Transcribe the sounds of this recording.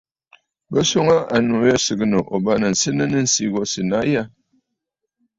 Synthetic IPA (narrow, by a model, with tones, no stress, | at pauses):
bə˦so˦ŋa˦ʔa˨nu˨jɛ˦sɨ˨ɡɨ˦nə˨ʔo˨ba˦nə˨n̩˨sɨ˦nə˦nə˦n̩˨si˦ɣɔ˦sɨ˨na˦ja˦˨